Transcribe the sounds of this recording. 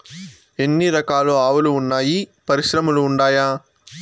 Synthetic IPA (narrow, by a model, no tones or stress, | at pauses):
e̞nːiɾɐkaːluaːʋɐluːɳːaːjipɐɾiʃɾɐmuluːɳɖaːjaː